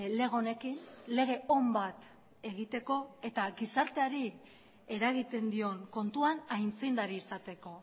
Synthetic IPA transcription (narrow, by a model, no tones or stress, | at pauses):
le̞ɣ̞o̞ne̞kinle̞ɣ̞e̞o̞mbat̪ | e̞ɣ̞it̪e̞ko̞e̞t̪aɡisaɾt̪e̞aɾi | e̞ɾaɣ̞it̪e̞nd̪io̞ŋko̞nt̪uanajnt͡sind̪aɾiːsat̪e̞ko̞